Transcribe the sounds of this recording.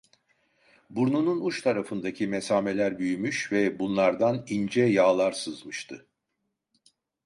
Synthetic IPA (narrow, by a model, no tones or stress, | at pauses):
buɾnununuʃt̪ʰaɾafɯnd̪acʰimesaːme̞lʲæɾbyjymyʃvɛbunlˠaɾd̪anind͡ʒɛjaːlˠaɾsɯzmɯʃt̪ʰɯ